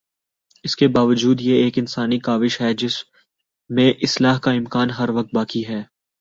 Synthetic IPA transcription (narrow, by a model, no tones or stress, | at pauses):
ɪskebaːʋəd͡ʒuːd̪jeeːkɪnsaːnikaːʋɪʃɦɛd͡ʒɪs | mẽʔɪslaːɦkaɪ̃mkaːnɦɐɾʋɐk̚t̪̚baːkiɦɛː